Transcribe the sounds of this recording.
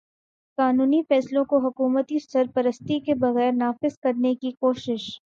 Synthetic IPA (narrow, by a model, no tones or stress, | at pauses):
kaːnuːnifɛːslõkoɦʊkuːmət̪isɐɾpɐɾəst̪ikebɐɣɛːɾnaːfɪzkɐɾnekikoːʃɪʃ